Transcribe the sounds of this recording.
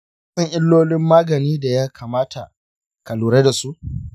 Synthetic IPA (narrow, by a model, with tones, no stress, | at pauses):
sɐ˦ŋʔɪ˦lːoː˦lɪ˦mːaː˦ɡɐ˨niː˦da˨jaː˦kʰaː˨maː˦tʰa˨ | kɐ˨luː˨ɾe˦da˨su˦ʔ